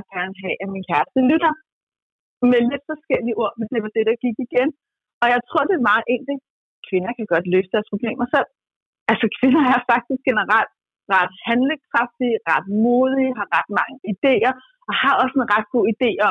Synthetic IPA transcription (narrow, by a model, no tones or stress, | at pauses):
ɡ̥æɐnəɦɛʔæminkʰæɐsd̥əlyɾ̥ɐ | mele̝d̥fɒ̽sɡ̥el̰iʔo̝ɐ̰mend̥e̝ʋɑ̈d̥e̝ɾ̥ɑ̈ɡ̥iɡ̥iɡ̥en | ɒ̽jɑ̈ɪt͡sʰʁɔ̝ɐ̰de̝mɑ̈ːʔen̰d̥i | kʰʋe̝nɐkʰæɡ̥ɒ̽d̥løːsəd̥æːɐspʰʁoblḛːmɐsel̰ | ælsəkʰʋe̝nɐæɐfɑ̈ɡ̥̚d̥isɡ̥enəʁɑl̰d̥ | ʁɑ̈d̥hænle̝ŋskʰʁɑ̈fd̥iʁɑd̥mo̝ːð̞ˠiɦɑ̈ʁɑ̈d̥mɑ̈ŋəid̥e̝̰ːɐ | ʔɒ̽hɑ̈ɒ̽senʁɑ̈d̥̚ɡ̥o̝̰ːid̥e̝̰ː